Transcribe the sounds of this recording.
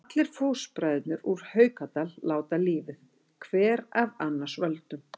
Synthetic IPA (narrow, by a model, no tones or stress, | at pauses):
at̪lɪɾ̥foːwspɾajðɪt̪nʏɾuɾ̥hœːɥkat̪alːaːwt̪aliːvɪð | kʰvɛːɾavanːḁsvœlt̪ʏm